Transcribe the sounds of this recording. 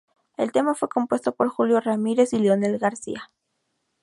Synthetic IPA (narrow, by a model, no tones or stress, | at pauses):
e̞lt̪e̞mafwe̞ko̞mpwe̞st̪o̞poɾxuljo̞ramiɾe̞sileone̞lɣaɾsḭa